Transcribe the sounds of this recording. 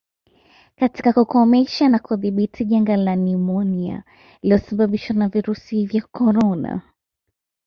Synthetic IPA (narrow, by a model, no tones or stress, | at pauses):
kati̥kakukɔmɛʃanakuðiɓitʰiʄaŋɡalanimɔnia̰ | iliɔsaɓaɓiʃwanaviɾusivjakɔɾɔna̰